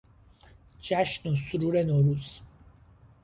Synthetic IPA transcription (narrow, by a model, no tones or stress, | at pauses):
d͡ʒæʃnosuɾuːɾenoːɾuːz̥